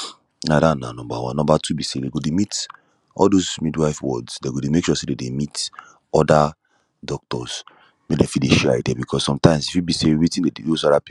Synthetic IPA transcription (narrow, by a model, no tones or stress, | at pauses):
nadana̰nɔ̃mbawã̰nːɔ̃mbatʰubisedeɡodemit | ɔ̰ldozmidwaɪfwɔdsdeɡodemekʃuɔsededemit | ɔda | dɔk̚tɔs | medefideʃɛaidɛbikʰɔsːɔ̃mtãɪ̃msifibisewitĩdedejosɔdapi